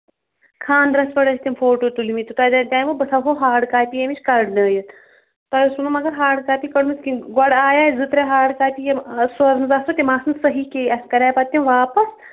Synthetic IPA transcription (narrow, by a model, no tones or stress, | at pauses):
kʰaːnd̪ɾɐspɐɽɐsʲt̪ʲimfoːʈoːt̪ulimit̪ut̪ɐːd̪at̪ʲaːjʋobɐt̪ʰɐɦoːɦaːɽkaːjpʲijɐmit͡ʃʲkɐɾɖnɐːjit̪ | t̪ɐjsunɐmɐɡɐɾɦaːɽkaːpʲikɐɽmisʲkinɡɐɽaːjaːjzɨt̪ɾeɦaːɽkaːpijɐmsɐɾnɨzast̪ot̪ʲimaːsɨnsɐɦiːkeːɐsʲkɐɾʲaːjpɐt̪ʲːimʋaːpɐs